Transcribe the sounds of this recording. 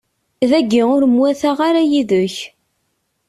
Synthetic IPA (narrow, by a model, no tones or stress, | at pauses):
ðæɡːiʊɾəmwæθaʁaɾajiðʊç